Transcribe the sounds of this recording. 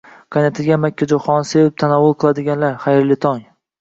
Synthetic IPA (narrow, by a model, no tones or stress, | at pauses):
kʰanat̪ʰɪɡʲamakʲʰːad͡ʒoχɒnsevɪp̚t̪ʰanɒvːʊlˠqʰɨlˠad̪ɪɡʲanlaɾχajɾlɪt̪ʰɒŋ